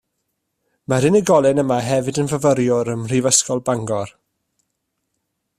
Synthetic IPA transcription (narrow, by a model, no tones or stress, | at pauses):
maɾɪnəɡɔlˠɪnəmaɦɛvɨdənvəvəɾjʊɾəmr̥ivəskɔlˠbaŋɡɔr